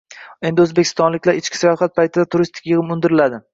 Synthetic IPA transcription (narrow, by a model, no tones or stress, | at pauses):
e̞nd̪ɪɵzbekʲʰɪ̥st̪ɒnlɪkʲlaɾɪt͡ʃkʲɪ̥sajɒχat̪̚pʰajt̪ʰɪd̪at̪ʰʊɾist̪ʰɪ̥kʲjɨʁɪmʊnd̪ɪɾɪlad̪ɪ